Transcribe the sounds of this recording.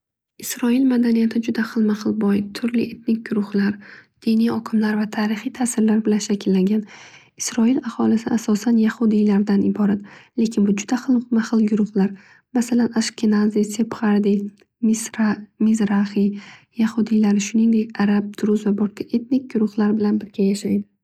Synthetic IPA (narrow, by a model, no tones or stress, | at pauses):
ɪsɾɒɪlmad̪anijat̪ʰɪd͡ʒʊd̪aχɨlˠmahɨlˠbɒjt̪ʰːʊɾlɪʔe̞t̪nɪk̚ʲɡʊɾʊχlˠaɾd̪̥inijɒqʰɨmlaɾvat̪ʰaɾɪχijt̪ʰasɪɾlaɾbɪlanʃakʲʰɪlːaŋɡʲan | ɪ̥sɾɒɪlahɒlɪsɪʔasɒsanjahʊd̪ijlaɾd̪anɪbɒɾat̪le̞kʲʰɪnbʊd͡ʒʊd̪aχɨlˠmahɨlˠɡʊɾʊhlˠaɾ | masalanaʃkʰʲenazise̞pχaɾd̪i | m | mɪzɾahijahʊd̪ijlaɾɪʃʊnɪŋd̪e̞kʲaɾab̚d̪ʊɾʊzvabɒʃkaʔe̞t̪̚nɪk̚ʲɡʊɾʊhlˠaɾbɪlanbɪɾɡʲajaʃajd̪ɪ